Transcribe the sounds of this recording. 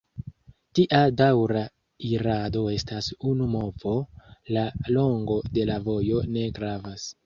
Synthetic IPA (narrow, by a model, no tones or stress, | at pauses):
tiʔadawɾa | iɾado̞e̞stasunumo̞vo̞lalo̞ŋɡo̞de̞lavo̞jo̞ne̞ɡɾavas